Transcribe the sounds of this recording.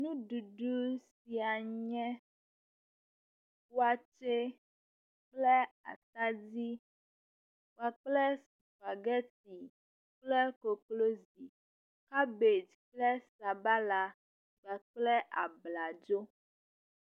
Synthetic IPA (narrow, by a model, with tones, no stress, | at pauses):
nũ˦ɖu˨ɖu˦si˨a˨ɲɛ̃˦ | wa˨t͡ʃe˦ | k͡plɛ˦a̰˨t̪a˦di˦ | wa˦k͡plɛ˦si˨fa˨ɡɛ˦ti˨ | k͡plɛ˦ko˨klo˦zi˨ | ka˦be˨d͡ʒk͡plɛ˦sa˨ba˦la˨ | ɡ͡ba˨k͡plɛ˦ʔa̰˨bla˨d͡ʒo˦